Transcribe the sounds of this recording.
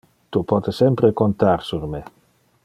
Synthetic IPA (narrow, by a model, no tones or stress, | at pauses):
t̪upɔt̪esɛmpɾekont̪arsurme